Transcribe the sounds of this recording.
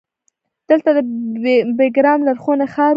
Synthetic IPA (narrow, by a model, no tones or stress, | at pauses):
d̪̥əlt̪ad̪əbeɡɾɑmlaɾxonaxɑɾ